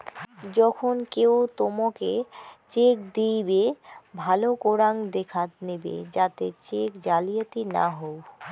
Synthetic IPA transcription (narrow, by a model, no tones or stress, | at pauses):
d͡ʑɔkʰonkewt̪omaket͡ɕekd̪ijbebʱalokoɾaŋd̪ekʰat̪nebḛd͡ʑat̪ḛt͡ɕekd͡ʑalijet̪ina̰ɦow